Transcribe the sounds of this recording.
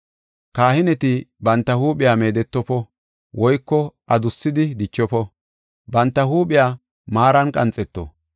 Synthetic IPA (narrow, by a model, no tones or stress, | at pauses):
kaːhɪnɛt̪ɪbɐnt̪ːɐhuːpɪjaːme̞ːd̪ɛt̪ːɔpɔ | wʔɔjkːɔʔɐd̪ʊsːɪd̪ɪd̪ɪt͡ʃːɔpɔ | bɐnt̪ːɐhuːɓɪjaː | maːɾɐnkʼɐnt͡sʼɛt̪ːɔ̰